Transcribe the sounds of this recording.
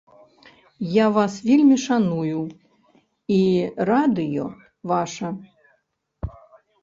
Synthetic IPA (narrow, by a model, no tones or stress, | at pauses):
javasvʲelʲmʲiʂanuju | irad̪ɨjɔ̰ | vaʂɐ